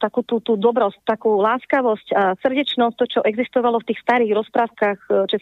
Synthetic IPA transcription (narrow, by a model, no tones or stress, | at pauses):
t̪akuːt̪uːt̪uːd̪ɔbɾɔst̪ːakuːlaːskaʋɔscasr̩ɟɛt͡ʃnɔst̪ɔt͡ʃɔʔɛɡzist̪ɔʋalɔft̪iːxst̪aɾiːɣɾɔspɾaːʊkaxt͡ʃɛ